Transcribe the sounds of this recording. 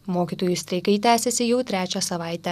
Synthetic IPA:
moːkʲiːˑt̪oːjust̪ʲɾʲɐɪkɐɪt̪ʲæːsʲɛsʲɪjɛʊt̪ʲɾʲæːt͡ʃʲɛsɐʋɑˑɪt̪ʲɛ

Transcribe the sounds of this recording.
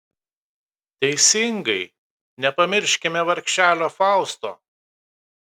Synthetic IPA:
t̪ʲɛɪsʲɪŋɡɐɪ | nʲɛpɐmʲɪɾʲʃʲkʲɪmʲɛʋɐɾʲkʲʃʲæːlʲoːfɑˑʊst̪o̰ː

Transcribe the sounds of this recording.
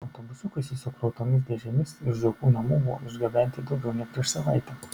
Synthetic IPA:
ɐʊt̪oːbʊsʊkɐɪsʲɪsʊkɾɐʊt̪oːmʲɪs̬d̪ʲɛʒʲɛmʲɪsɪʒzɐkuːnɐmuːbʊʋo̰ɪʒʲɡʲɐbʲɛnʲt̪ʲɪd̪ɐʊɡʲɛʊnʲɛpʲɾʲiɛʃsɐʋɐɪt̪ʲɛ

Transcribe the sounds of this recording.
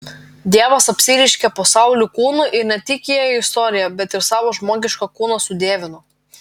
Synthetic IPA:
d̪ʲiɛʋɐsɐpʲsʲɪɾʲɪʃʲkʲɛpoːsɑˑʊlʲukuːnuʔɪɾnʲɛt̪ʲɪkʲijɛɪst̪ɔːɾʲɪjɛbʲɛt̪ɪɾsɑːʋoːʒmoːɡʲɪʃkokuːnoːsʊd̪ʲeːʋʲɪnʊ

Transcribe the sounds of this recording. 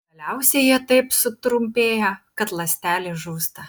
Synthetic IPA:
ɡɐlʲɛʊsʲɛɪjiɛt̪ɐɪpsʊt̪ɾʊmʲpʲeːjɛkɐt̪lˠɐsʲt̪ʲæːlʲɪʒuːst̪ɐ

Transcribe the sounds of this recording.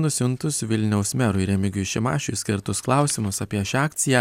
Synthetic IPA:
nʊsʲʊnt̪ʊsʋʲɪlʲnʲɛʊsmʲɛɾʊɪɾʲɛmʲɪɡʲʊʃʲɪmɑ̰ːʃʲʊsʲkʲɪɾt̪ʊsklˠɑʊsʲɪmʊsɐpʲiɛʃʲɑːkt̪sʲɪjæ

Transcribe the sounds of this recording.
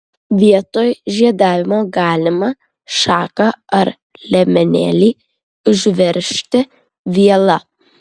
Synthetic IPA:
ʋʲiɛt̪oːjʒʲiɛd̪ɑːʋʲɪmoːɡɑːlʲɪmɐ | ʃɑːkɐɐɾ | lʲɛmʲɛnʲæ̰ːlʲiː | ʊʒʲʋʲɛɾʲʃʲt̪ʲɪ | ʋʲiɛlˠɐ

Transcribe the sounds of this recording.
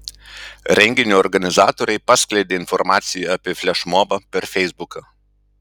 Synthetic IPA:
ɾʲɛŋʲɡʲɪnʲuɔɾɡɐnʲɪzɑːt̪oːɾʲɛɪpɑːsʲklʲɛɪd̪ʲeːɪnfɔɾmɑːt̪sʲɪjuɐpʲiːfʲlʲɛʃmoːbɐpʲɛɾfʲɛɪzbʊkɐ

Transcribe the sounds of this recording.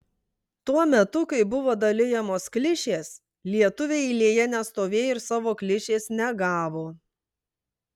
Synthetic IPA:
t̪uɔmʲɛt̪ʊkɐɪbʊʋoːd̪ɐlʲɪjɛmoːsklʲɪʃʲeːs | lʲiɛt̪ʊʋʲeːɪlʲiːjɛnʲɛst̪oːʋʲeːjɪɾsɑːʋoːklʲɪʃʲeːsnʲɛɡɑːʋoː

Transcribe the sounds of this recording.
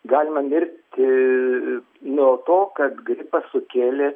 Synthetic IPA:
ɡɑːlʲɪmɐmʲɪrʲt̪ʲ | noːt̪oːkɐt̪ɡɾʲɪpɐsʊkʲeːlʲeː

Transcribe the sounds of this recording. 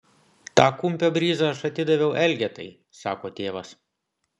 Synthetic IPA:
t̪ɑːkʊmʲpʲoːbʲɾʲiːzɑɐʃɐt̪ʲɪd̪ɐʋʲɛʊʔɛlʲɡʲɛt̪ɐ̰ɪ | sɑːkoːt̪ʲeːʋɐs

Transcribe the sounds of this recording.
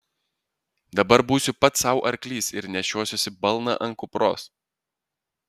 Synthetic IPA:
d̪ɐbɐɾbuːsʲʊpɐt̪sɐʊʔɐɾʲklʲiːsɪɾnʲɛʃʲuɔsʲʊsʲɪbɐlˠˑnɐ̰ʔɐŋkʊpɾo̰ːs

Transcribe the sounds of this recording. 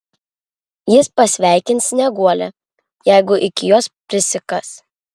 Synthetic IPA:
jɪspɐsʲʋʲæˑɪkʲɪnt̪sʲnʲɛɡuɔlʲɛ | jæˑɪɡʊʔɪkʲɪjoːspʲɾʲɪsʲɪkɐs

